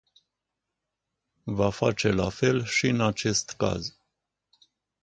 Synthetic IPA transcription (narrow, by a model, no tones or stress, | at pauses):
vafat͡ʃɛlafɛlʃiɨnat͡ʃɛst̪ka̰z